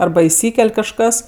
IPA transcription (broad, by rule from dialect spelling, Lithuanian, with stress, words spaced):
ˈɐrbɐ ɪˈsʲiːkʲɛlʲ kɐʃˈkɐs